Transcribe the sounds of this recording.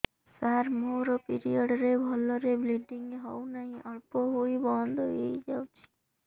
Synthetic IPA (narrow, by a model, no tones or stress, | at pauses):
saɾmoɾɔpiɾijɔɽɾebʱɔlɔɾebliɖiŋɡɦɔwnaɦĩʔɔɭpɔɦuibɔnd̪ʱɔejd͡ʒawt͡ʃʰi̥